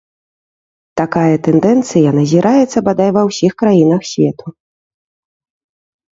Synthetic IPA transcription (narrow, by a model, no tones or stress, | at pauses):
t̪akajɐt̪ɛnd̪ɛnt̪sɨjɐnɐzʲiɾʔajɛt̪sːɐbad̪ajvɐwsʲixkɾajinɐxsʲvʲɛt̪ʰu̥